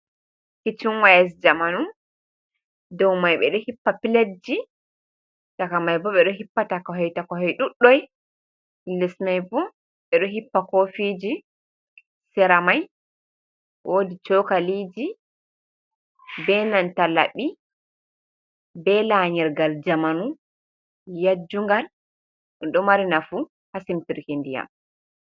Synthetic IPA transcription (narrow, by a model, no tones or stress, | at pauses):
kit͡ʃinwajɛs̬d͡ʒamanu | dɔwmajɓɛ̰ɗɔhipːapiled͡ʒi | takamajbɔɓɛɗɔɦipːatakɔɦɔjtakɔɦɔjɗuɗːɔj | ilɛsmajbɔ | ɓɛɗɔɦipːakofiːd͡ʒi | sɛɾamaj | wodit͡ʃɔkalid͡ʒi | bɛnantala̰ɓi | bɛlaɲɛɾɡald͡ʒamanu | jad͡ʒːuŋɡal | ɗɔmaɾinafu | hasimtiɾkindija̰m